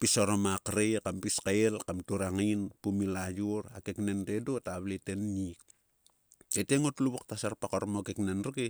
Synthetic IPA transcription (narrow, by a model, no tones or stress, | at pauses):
pisoɾomakɾekampiskaelkamtuɾaŋinpumilajuɾakeknenɾedotaβletenːik̚ | teteŋotluβok̚tasaɾpakoɾmokeknenɾuke